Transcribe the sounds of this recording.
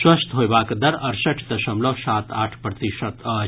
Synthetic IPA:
swɐst̪ɦojbaːkd̪ɐɾɐɾsɐʈʰd̪ɐʃɐmlosaːt̪aːʈʰpɾɐt̪iʃɐt̪ɐ

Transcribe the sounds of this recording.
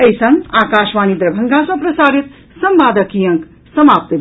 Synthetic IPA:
əjsɐ̃ŋaːkaːʃʋaːnid̪ɾəbʱəŋɡãsɐ̃pɾɐsaːɾit̪ | sɐmbaːd̪əkijɐ̃ŋk | sɐmaːp̚t̪

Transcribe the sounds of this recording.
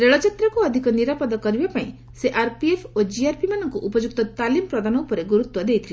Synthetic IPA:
ɾeɭɔt͡ʃit̪ɾɔkuɔd̪ʱikɔniɾapɔd̪ɔkɔɾibapaĩ | seʔaɾpiepʰod͡ʒiaɾpimanɔŋkuʔupɔd͡ʒuk̚t̪ɔt̪alimɔpɾɔd̪anɔupɔɾeɡuɾut̪wɔd̪ejt̪ʰile

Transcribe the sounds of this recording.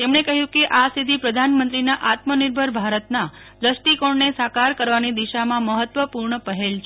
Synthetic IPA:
t̪emɳekəɦjũkeʔasid̪ʱipɾəd̪ʱanmənt̪ɾinaʔat̪məniɾbʱəɾbʱaɾət̪na | d͡ʒ̪əsʈikoɳnesakaɾkəɾʋanid̪iʃamãməɦət̪ʋəpuɾɳəpəɦelt͡ʃʰ

